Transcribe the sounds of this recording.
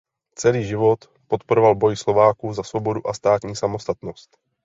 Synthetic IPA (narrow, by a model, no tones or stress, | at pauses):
t͡sɛliːʒɪvo̞t̪ | pot̪poɾovalbo̞jɪslo̞vaːkuːzasvo̞bo̞duʔast̪aːt̪ɲiːsamo̞st̪at̪nost̪